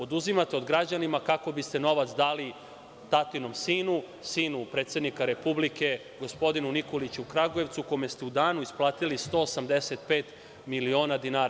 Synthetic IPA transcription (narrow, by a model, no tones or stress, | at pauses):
o̞d̪uzimat̪eo̞d̪ɡɾad͡ʑanimakako̞bist̪e̞no̞ʋat̪sd̪aːli | t̪at̪ino̞msiːnu | siːnupɾe̞ːt̪se̞d̪nikaɾe̞publike̞ | ɡo̞spo̞d̪inuniko̞lit͡ɕuukɾaɡoje̞ʋt̪sukome̞st̪eud̪aːnuisplˠaːt̪ilist̪o̞ːsamd̪eset̪̚peːt̪ | milio̞ːnad̪inaːɾa